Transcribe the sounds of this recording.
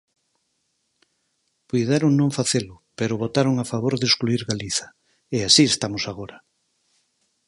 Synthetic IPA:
pujðeɾoŋnõŋfaθelʊpeɾʊβot̪aɾoŋafaβ̞oɾðeskluiɾɣaliθɐ̥ | easiest̪amʊsaɣ̞oɾɐ

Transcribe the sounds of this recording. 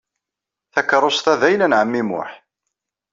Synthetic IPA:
θækːɾˤost̪æðæjlænʕəmːimʊ̰ħ

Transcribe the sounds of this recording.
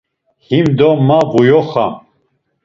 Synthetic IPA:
himd̪ɔmːaʁujɔχa̰m

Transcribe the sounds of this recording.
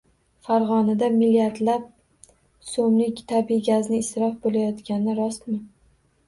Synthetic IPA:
faɾʁɒnad̪amilijaɾd̪lap̚ | somlɪkʲt̪ʰabijɡʲaznɪːsɾɒfbolajɒt̪kʲanɪɪɾɒst̪mɪ

